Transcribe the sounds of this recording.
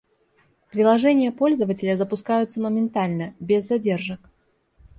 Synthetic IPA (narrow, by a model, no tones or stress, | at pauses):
pɾʲɪlˠɐʐɛnʲɪjəpo̞lʲzəvətʲɪlʲəzəpʊskajʊt̪səməmʲɪnt̪alʲnəbʲezːɐdʲe̞rʐɨk